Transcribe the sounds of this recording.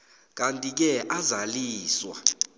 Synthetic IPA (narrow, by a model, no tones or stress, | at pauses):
k̬ʼantʼik̬ɛʔazaliːswa̰